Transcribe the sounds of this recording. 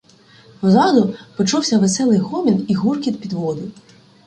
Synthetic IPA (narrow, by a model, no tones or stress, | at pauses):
ɔzɑd̪ʊpɔt͡ʃɔwsʲɐʋesɛlˠɪjɦɔmʲiniɦurkʲid̪pʲid̪ʋɔd̪ʊ